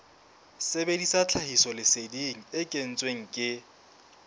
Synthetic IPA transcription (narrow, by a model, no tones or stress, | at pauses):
sebedisat͡ɬʰahisɔlɪsediŋ̩ɪkʼen̩t͡sʼweŋ̩kʼɪ